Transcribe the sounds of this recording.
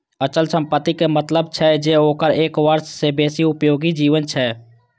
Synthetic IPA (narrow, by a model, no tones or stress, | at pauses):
ət͡ʃəlsə̃mpət̪ːikemət̪ləbt͡ʃʰɛd͡ʒeoːkəɾeːkʋəɾʃsebeːsiʊpjoːɡid͡ʒiːʋənt͡ʃʰɛ